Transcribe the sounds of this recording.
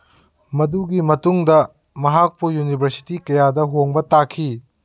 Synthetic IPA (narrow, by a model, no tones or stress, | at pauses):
mɐduɡimɐtuŋdɐ | mɐɦak̚pujunibʱɐɾsi̥tikɐjadɐɦoŋbɐtakʰi